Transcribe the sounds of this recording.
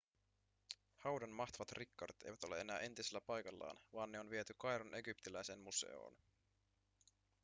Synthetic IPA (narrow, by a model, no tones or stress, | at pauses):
hɑwdɑnmɑxt̪oʋɑt̪rʔikːɑɾit̪e̞jʋæt̪o̞le̞̰ʔe̞næːʔe̞nt̪iselːæpɑjkɑlːɑ̰ːnʋɑːnːeo̞nʋiet̪ykɑjɾunʔe̞ɡypt̪ilæjsenmuse̞̰o̰ːn